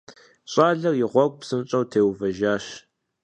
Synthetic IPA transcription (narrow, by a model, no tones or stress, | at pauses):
ɕʼaːɮɐrjɪʁʷɔkʷʼpsɨmt͡ʃʼɐwtʰeːwvɐʒaːɕ